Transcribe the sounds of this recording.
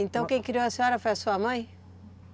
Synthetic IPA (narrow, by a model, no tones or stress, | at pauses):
ẽnt̪ɐ̃w̃kẽj̃kiɾiwɐsẽɲɔɾɐfojɐsuɐmɐ̃j̃